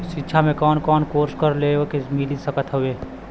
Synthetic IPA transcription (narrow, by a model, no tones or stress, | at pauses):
ʃɪtːʃʰamẽkɔːnkɔːnkoːɾskəɾleːɡokemɪlisəkət̪ɦʊeː